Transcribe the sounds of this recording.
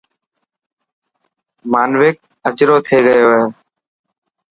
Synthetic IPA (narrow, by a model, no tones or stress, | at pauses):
maːnʋeːk̚ | əd͡ʒɾoːt̪ʰeːɡəjoːɦeː